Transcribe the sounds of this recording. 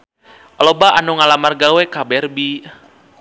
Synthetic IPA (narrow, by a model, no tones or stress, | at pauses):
alɔbaʔanuŋalamarɡawɛkabɛrbi